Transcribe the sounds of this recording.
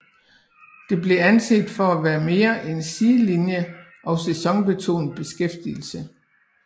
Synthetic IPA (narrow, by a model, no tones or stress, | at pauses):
d̥e̝b̥le̝ænse̝̰d̥fɒ̽æʋæːɐme̝ːɐʔensiːlinjə | ʔɒ̽ʊsesɒ̽ŋb̥e̝t͡sʰo̝̰ːn̩b̥e̝sɡ̥efd̥ḭl̩sə